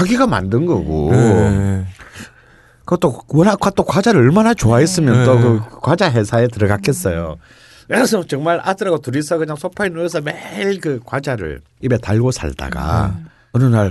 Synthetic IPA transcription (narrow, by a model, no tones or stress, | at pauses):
aɡiɡama̰ndɯnɡʌɡo̰ | kɯt͈owʌnɦak͈ʰwat͈okwad͡ʑaɾɯɭʌɭmanat͡ɕoaes͈ɯmjʌnt͈okɯkwad͡ʑaɦe̞sʰaet̬ɯɾʌɡak͈es͈ʌjo̰ | sʰʌt͡ɕʌŋmaɭʔa̰dɯɾaɡotuɾisʰʌkɯɲaŋsʰopʰainues̬ʰʌmeɭkɯkwad͡ʑaɾɯ̰ɭ | ibe̞taɭɡosʰa̰ɭda̰ɡa̰ | ɯɾɯnaɭ